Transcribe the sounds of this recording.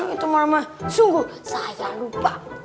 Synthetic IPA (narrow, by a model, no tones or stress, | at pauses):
it̪umarmasuŋɡusajalupa